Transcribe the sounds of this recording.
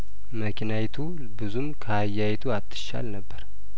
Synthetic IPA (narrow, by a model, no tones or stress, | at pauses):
məkʰnajt̪ʰu | bɨzumkʰəhajːajɛt̪ʰuat̪ʰːɨ̥ʃa̰lnəbːəɾ